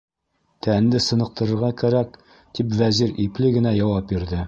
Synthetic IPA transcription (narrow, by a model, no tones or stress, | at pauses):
t̪ʰænd̪ɘsɤ̆nɤ̆q̚t̪ɤ̆ɾɤ̆ɾʁɑkæɾæk | t̪ipvæziɾiplɘɡɘ̆næjɒwɑp̚biɾd̪ɘ